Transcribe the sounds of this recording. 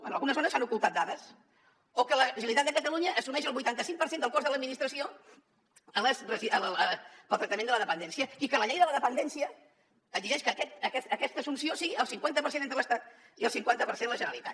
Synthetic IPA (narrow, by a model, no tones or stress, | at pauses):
ə̰nə̰lɣunəzonəsanukulˠt̪at̪̚d̪aðəs | okələʒilit̪at̪̚d̪kək̪əluɲəʔːsumɛʃəlˠβujt̪ant̪əsiŋpəɾsend̪əlˠkozðələd̪̚minist̪ɾəsio | ələsrəziəəlˠt̪ɾək̚t̪əmenələðəpənd̪ɛnsiəikələʎɛjðələðəpənd̪ɛnsiəː | ziʒɛʃkəkɛt̪əkɛəkɛst̪əsunsiosiɣiəlˠsiŋkwant̪əpəɾsenent̪ɾələst̪at̪ | iəlˠsiŋkwant̪əpəɾsend̪əlˠəʒənəlit̪a̰t̪